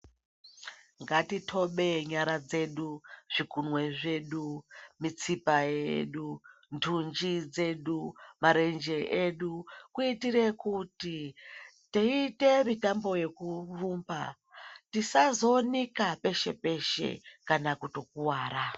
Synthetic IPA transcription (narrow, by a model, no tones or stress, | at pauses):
ŋɡatitʰo̞ɓe̞ɲaɾad͡ze̞ɗuʐ̥ikunwe̞ʐe̞ɗumit͡sipajḛɗuntʰund͡ʒid͡ze̞ɗumaɾe̞nd͡ʒe̞ʔeɗukuitiɾe̞kutitiite̞mitambo̞je̞kufuːmba̰ | tisazo̞nikape̞ʃe̞̰pe̞ʃe̞̰kanakuto̞kuwaːɾa